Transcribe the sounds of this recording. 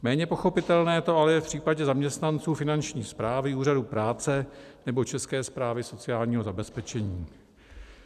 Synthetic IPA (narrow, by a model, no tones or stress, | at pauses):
mɛːɲɛpo̞xo̞pɪt̪ɛlnɛːt̪o̞alɛjɛfpr̥iːpaɟɛzamɲɛst̪nant͡suːfɪnant͡ʃɲiːspɾaːvɪuːradupɾaːt͡sɛnɛbo̞t͡ʃɛskɛːspɾaːvɪso̞t͡sɪaːlɲiːɦo̞zabɛspɛt͡ʃɛɲiː